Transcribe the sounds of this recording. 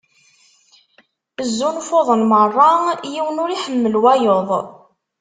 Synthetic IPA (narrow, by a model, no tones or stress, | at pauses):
bəzːunfoðˤənmərˤːɑjiwənʊɾiħəmːəlwæjoðˤ